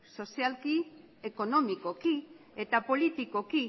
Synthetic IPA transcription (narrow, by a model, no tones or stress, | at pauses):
so̞sialki | e̞ko̞no̞miko̞ki | e̞t̪apo̞lit̪iko̞ki